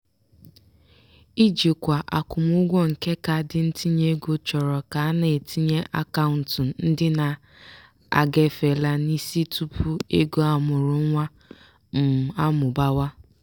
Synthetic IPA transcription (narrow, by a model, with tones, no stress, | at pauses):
i˦d͡ʒi˨kʷa˨ʔa˨kʊ˨m˦ʊ˦ɡʷɔ˦ŋ̩˨ke˦ka˨dɪ˨n̩˦tʰi˦ɲe˦ɡo˨t͡ʃɔ˨ɾɔ˨ka˨a˦ne˨e˨tʰi˦ɲe˦ʔa˦ka˦ʊ˨n̩˨tn̩˦dɪ˦na˨ | a̰˨ɡe˨fe˨la˦ni˦si˦tʰu˦pʰu˦e˦ɡo˦a˨mʊ˨ɾʊ˨˦ŋʷa˦ | m̩˨a˦mʊ˨ba˦wa˦